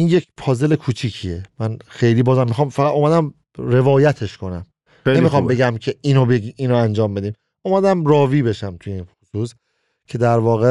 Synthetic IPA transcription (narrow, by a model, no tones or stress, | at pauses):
iːnjecpʰɒːze̞lekʰuːt͡ʃʰicʰie̞mænxe̞jliːbɒːzæmːixɒːmfæʁæd̪ʔoːmæd̪æm | ɾe̞vɒːjæt̪ʰe̞ʃkʰo̞næm | neemixɒːmbe̞ɡæmcʰe̞ʔinobeɡimiːnoænd͡ʒɒːmbe̞d̪iːm | ʔomæd̪æmrɒːviːbe̞ʃæmt̪ʰujinxusus | cʰe̞d̪æɾvɒːɣe